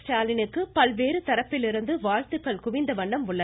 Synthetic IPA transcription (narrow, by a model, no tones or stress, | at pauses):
ʈaːlɪnɯkːɯpɐlʋeːɾɯt̪ɐɾɐpːɪlɪɾɯnd̪ɯʋaːlt̪ɯkːɐɭkʊʋɪnd̪ɐʋɐɳɖɐmʊɭːɐ